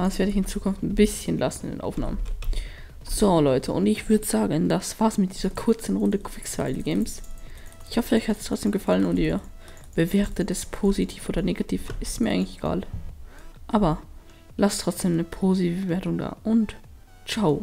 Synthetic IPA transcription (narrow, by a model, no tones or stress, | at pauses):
asv̥eɐdəɪçɪnt͡suːkʰʊnftnbɪsçənlʔasn̩ɪ̰ndḛnʔa̰ʊfna̰ːmən | z̥olɔʏtʰəʔʊ̰ntɪçv̥ʏɐdəz̥aːɡənd̥asv̥aɐsmɪt̚d̥iːzɐkʰʊɐt͡sənʁʊndəkʰv̥ɪksa̰ɪl̩ɡɛːmsʔɪçhɔfəɔʏçhatstʁ̥ɔt͡sd̥eːmɡəfalənʊntiːɐ | b̥əveːɐtʰədɛspʰoːzitʰiːfʔoːdɐneːɡatʰiːfɪstmiːɐaɪɡŋlɪçeɡ̥a̰ːl | ʔaːbɐ | lastʁ̥ɔt͡sd̥eːmnəpʰoːzitivəbveːɐtʊŋda̰ːʔʊnt | t͡ʃaʊ